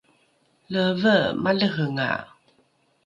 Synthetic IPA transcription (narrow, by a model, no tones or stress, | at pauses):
ləvəmaləɦəŋa̰